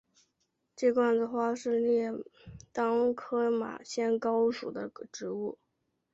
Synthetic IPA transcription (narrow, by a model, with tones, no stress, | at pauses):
ʈ͡ʂɤ˥˧kwa˥˩nd͡zə˧˩xwa˥˧ʂɻ̩˥˧ljɛ˥˩t̪ɑ˥ŋkʰɤ˥ma̰˨˩ɕjɛ˥nkɑ˥ʊʂṵ˨˩d̪ə˦ʈ͡ʂɻ̩˧˥u˥˩